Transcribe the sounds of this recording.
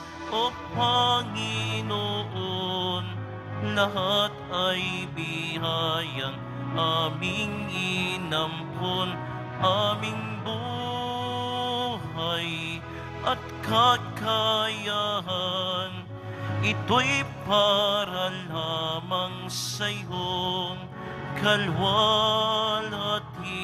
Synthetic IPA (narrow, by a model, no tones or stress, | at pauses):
ʔopɐŋɪnoʔon | lɐɦat̪̚ɐjbiɦajɐŋ | ʔamɪŋʔinɐmpʰon | ʔamɪŋ | bu | hɐj | ʔɐt̪̚kɐkɐjaɦɐn | ɪt̪ojpaɾɐlamɐŋ | sɐjɦoŋ | kʰɐlwa | lɐt̪̚ | i